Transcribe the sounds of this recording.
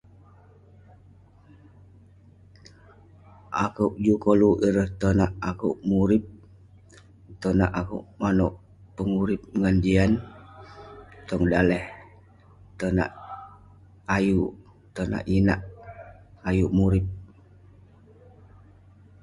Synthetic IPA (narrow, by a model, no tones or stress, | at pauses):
ʔakəwʔd͡ʒukoluʔiɾəht̪ɔnaʔakuʔmuɾɪp̚ | t̪ɔnaʔakṵʔmanɔʔ | pəŋuɾɪp̚ŋand͡ʒian | t̪ɔŋdalɛh | t̪ɔna̰ʔ | ajuʔ | t̪ɔna̰ʔinaʔ | ajuʔmuɾɪp̚